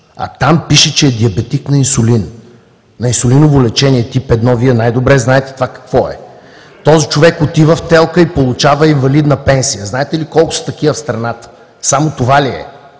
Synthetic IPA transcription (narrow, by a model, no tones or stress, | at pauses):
ɐ̰t̪ampiʃɛt͡ʃɛːd̪iɐbɛt̪iknɐinsʊlin | nɐinsʊlinʊvolɛt͡ʃɛniɛt̪ipɛd̪nɔviɛnajd̪obɾɛznaɛt̪ɛ̥t̪ovakɐ̥kvɔɛ̰ | t̪ɔzit͡ʃovɛkot̪ivəft̪ɛlˠkəipolˠʊt͡ʃavəiɱvɐlid̪nəpɛnsijəznaɛt̪ɛlikɔlˠkʊ̥sɐ̥t̪ɐkivəfst̪ɾɐnat̪ə̥ | samot̪ovaliɛ̰